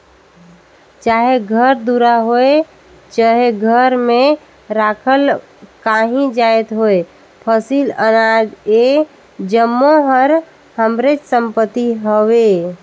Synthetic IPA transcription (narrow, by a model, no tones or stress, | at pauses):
t͡ʃaːɦeɡʱəɾd̪uɾaɦoe | t͡ʃaɦeɡʱəɾmẽ | ɾakʰəl | kaɦĩd͡ʒaet̪ɦoe | pʰəsilənad͡ʒe | d͡ʒəmːoɦəɾ | həmɾet͡ʃsəmpət̪iɦowe